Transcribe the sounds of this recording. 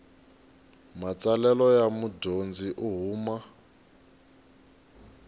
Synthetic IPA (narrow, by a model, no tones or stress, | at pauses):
mat͡salɛlɔjamudʱond͡ziʔuɦuːma